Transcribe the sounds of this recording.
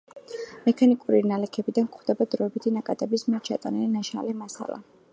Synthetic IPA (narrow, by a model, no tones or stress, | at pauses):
mɛkʰanikʼuɾinalɛkʰɛbid̪ankχd̪ɛbad̪ɾɔɛbit̪ʰinakʼat̪ʼɛbismiɛɾt͡ʃʰat̪ʼanilinaʃa̰lɛmasa̰lˠa̰